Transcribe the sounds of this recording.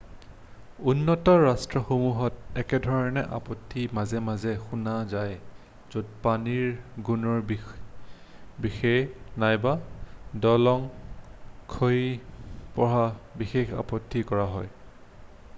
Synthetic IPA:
unːɔtɔɹastɹɔxomuɦɔtɛkɛdʱɔɹɔnɛʔa̰pɔtʰːimazɛmazɛxunazaj | z̥od̚paniɹɡunɔɹb | bixɛnajbadɔlɔŋ | kʰoipɔɹabixexa̰pɔtʰːikɔɹaɦɔj

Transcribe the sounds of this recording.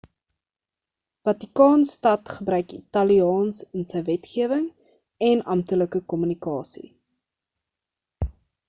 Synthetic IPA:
v̥ɐtikɑːnstɐtχəbɾœɥkḭtɐliɑːnsənsəjvɛtχiəvəŋ | ɛnɐmtələkəkɔmynikɑːsḭ

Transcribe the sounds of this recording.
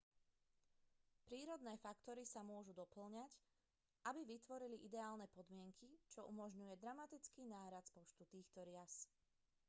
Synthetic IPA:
pɾiːɾɔd̪nɛːfakt̪ɔɾisamʊɔʒud̪ɔpl̩ɲac | ʔabiʋit̪ʋɔɾiliʔid̪ɛaːlnɛpɔd̪mɪɛŋkʰit͡ʃɔʔumɔʒɲujɛd̪ɾamat̪it͡skiːnaːɾat͡spɔt͡ʃt̪ut̪iːxt̪ɔɾɪas

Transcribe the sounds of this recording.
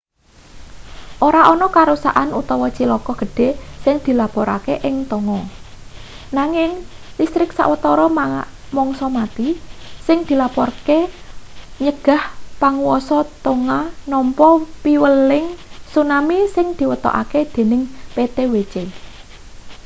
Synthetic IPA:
ʔoɾaʔɔnɔkaɾusa̰ʔanut̪ɔwɔt͡ʃilɔkɔɡ̥ə̤ɖ̥e̤sɪŋd̪̥i̤lapɔɾa̰keʔɪŋt̪ɔŋɔ | naŋɪŋ | list̪ɾɪksa̰ʔwət̪ɔɾɔm | mɔŋsɔmat̪isɪŋd̪̥i̤lapɔrke | ɲəɡ̥a̤hpaŋuwɔsɔt̪oŋanɔmpɔpiwəlɪŋsunamisɪŋd̪̥i̤wət̪ɔ̰ʔa̰ked̪̥e̤nɪŋpet̪ewet͡ʃe

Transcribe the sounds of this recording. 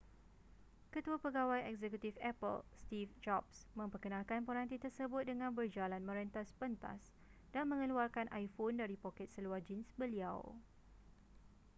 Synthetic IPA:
kət̪uapəɡawajɛkzɛkut̪ifɛpə̰lst̪ifd͡ʒɔpsmə̃mpərkənãlkanpoɾant̪it̪ərsəbʊt̪̚dəŋãnbərd͡ʒalanmə̃ɾənt̪aspənt̪a̰s | danmə̃ŋəluarkanʔajfondaɾipokɛt̪̚səluahd͡ʒinsbəlia̰w

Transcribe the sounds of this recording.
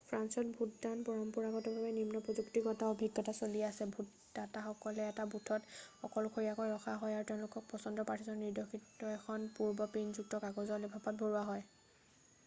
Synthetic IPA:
pʰɹansɔt̚bʱut̚danpɔɹɔmpuɹaɡɔtɔbabɛnimnɔpɹɔzuktikɔtaobʱiɡɔtasoliasɛbʱut | dataxɔkɔlɛːtabutʰɔtxɔkɔlʊkʰoɹijakɔjɹɔxaɦɔjaɹutɛʊ̃lʊkɔk̚pɔsɔndɔpaɹtʰizɔnnidɔkʰitːɔɛxʰɔnpuɹbɔpinzuk̚tɔkaɡɔzɔlebʱapɔt̚bʱoɹuaɦɔj

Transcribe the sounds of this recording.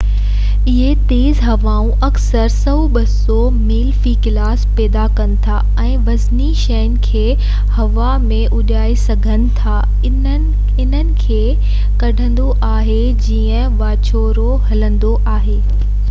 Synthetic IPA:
ɪɦet̪eːzɦɐʋaːũʔɐksəɾsɐuɓɐsɔ | miːlfikɪlaːspɛːd̪akɐnɪ̆t̪ʰa | ɛ̃ːʋɐzniʃɛənɪ̆kʰeː | hɐʋamẽʔʊʄaːesɐɡʱənɪ̆t̪ʰaː | ɪn̤ənɪ̆kʰeː | kɐɖʱə̃nd̪oʔaːɦe | d͡ʑiːə̃ʋaːt͡ɕoːɾoɦɐlə̃nd̪oʔaːɦeː

